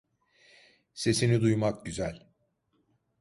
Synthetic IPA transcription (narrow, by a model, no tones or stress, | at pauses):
se̞sinid̪ujmak̚ɟyzælʲ